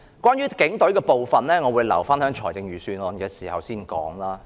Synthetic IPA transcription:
kwʷaː˥njyː˥kɪ˨˥ŋt̪ɵ˨˥ɥkɛː˧po˨wfɐ˨nlɛː˥ŋɔː˨˧wuː˨˧jlɐ̰˨˩wfaː˥nhœː˨˥ŋt͡ʃʰɔː˨˩jt͡sɪ˨˧ŋjyː˨˩syː˨˧nlɔ˨˩nkɛː˧siː˨˩hɐ˨wsiː˥˩nkɔ̰ː˨˥ŋlaː˥

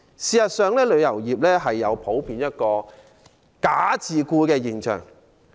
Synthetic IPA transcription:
siː˨sɐ˨t̚sœː˨ŋlɛː˥lɵ˨˧ɥjɐ˨˩wjiː˨p̚lɛː˥ɦɐ˨jːɐ˨˧wpʰo˨˥wpʰiː˨˧njɐ˥t̚kɔː˧ | kaː˨˥t͡sʰiː˨kuː˧kɛː˧jiː˨˩nt͡ʃʰœ̰ː˨˩ŋ

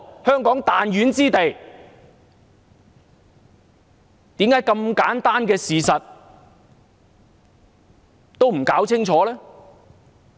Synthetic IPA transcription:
hœː˥ŋkɔː˨˥ŋt̪aː˨njyː˨˥nt͡siː˥t̪e˨˩j | t̪iː˨˥mkaː˨˥jkɐ˧mkaː˨˥nt̪aː˥nkɛː˧siː˨sɐ˨t̚ | t̪o˥wm̩˨˩kaː˨˥wt͡sʰɪ˥ŋt͡ʃʰɔː˨˥lɛː˥

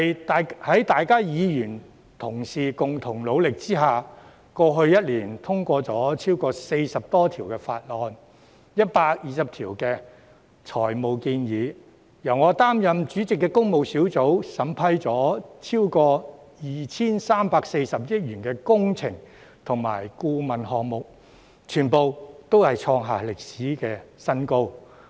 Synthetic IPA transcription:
j̪a˨hɐ˨˥jt̪aː˨jkaː˥jiː˨˧jyː˨˩n | t̪ʰʊ˨˩ŋsiː˨˩kʊ˨ŋt̪ʰʊ˨˩ŋlo˨˧wlɪ˨k̚t͡siː˥ɦaː˨˩ | kɔː˧ɦɵ˧ɥjɐ˥t̚liː˨˩nt̪ʰʊ˥ŋkʷɔː˧t͡sɔː˨˥t͡sʰiː˥wkɔː˧se˧jsɐ˨p̚t̪ɔː˥t̪ʰiː˨˩wkɛː˧fa̰ː˧t̚lɔː˨˧n | jɐ˥t̚paː˧k̚jiː˨˩sɐ˨p̚t̪ʰiː˨˩wkɛː˧ | t͡sʰɔː˨˩jmo˨wkiː˧njiː˨˧ | jɐ˨˩wŋɔː˨˧t̪aː˥mjɐ˨mt͡ʃyː˨˥t͡sɪ˨kːɛ˧kʊ˥ŋmo˨˧wsiː˨˥wt͡so˨˥wsɐ˨˥mpʰɐ˥jt͡sɔː˨˥t͡sʰiː˥wkɔː˧ | jiː˨t͡sʰiː˥nsaː˥mpaː˧kse˧jsɐ˨p̚jɪ˥t̚jyː˨˩nkɛː˧kʊ˥ŋt͡sʰɪ˨˩ŋ | t̪ʰʊ˨˩ŋma̰ː˨˩jkuː˧mɐ˨nɦɔː˨k̚mʊ˨k̚ | t͡ʃʰyː˨˩npo˨˧wt̪o˥whɐ˨jt͡sʰɔː˧ŋɦa̰ː˨˩lɪ˨k̚siː˨˥kɛː˧sɐ˥nko˥w

